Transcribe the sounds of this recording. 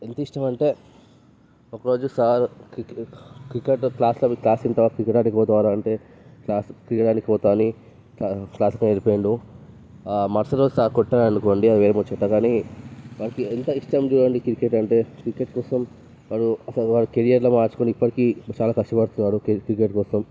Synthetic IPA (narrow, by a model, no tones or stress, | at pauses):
ent̪ɐiʂʈɐmɐɳʈe̞ː | ɔkɐɾo̞ːd͡ʒusaːɾ | kɾikeʈklaːslɐklaːsint̪ɐʋaːkɾikːeʈaːnikipɔːt̪ɐʋaːɾaɐɳʈe̞ː | klaːskɾikeʈaːnikipɔːt̪aːni | kaklaːslɐkɐneɾipːjɳɖu | mɐɾsɐʈoːd͡ʒsaːɾkɔʈːanɐnukoːɳɖiɐd̪iʋeːɾemot͡ʃːɐʈːaːkaːniʋanɐkient̪ɐiʂʈɐmd͡ʒuːɾɐɳɖikikeʈɐɳʈe̞ːkɾikeʈ̚kɔːsɐm | ʋaːɾuɐsɐʋaːɾukeɽijɐɾloːmaːɾt͡ʃu̥koniipːɐʈikiːt͡ʃaːlaːkɐʂʈɐpɐɽut̪unːaːɾukɾikeʈkɔːsɐm